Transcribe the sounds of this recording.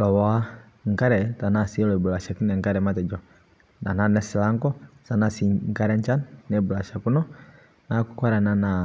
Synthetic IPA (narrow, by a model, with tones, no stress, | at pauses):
lɔ˨wa˦ | ŋ̩˨ka˦ɾɛ˨ta˨na˨si˦ɛ˦lɔ˨i˨bu˨la˨ʃa˨ki˦nɛ˨ŋka˦ɾɛ˨ma˦tɛ˨d͡ʒɔ˨ | na˨na˦nɛ˨˦si˨la˦ŋɡɔ˦sa˨na˨si˨ŋ˦ka˦ɾɛ˦ɲ˦t͡ʃa˦nnɛ˨bu˨la˨ʃa˨ku˦nɔ˦ | na˦ku˨kwa˦ɾa˨na˨na˨